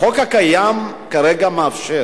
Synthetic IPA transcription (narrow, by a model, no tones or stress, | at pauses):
χokhakajam | kaɾeɡamaafʃe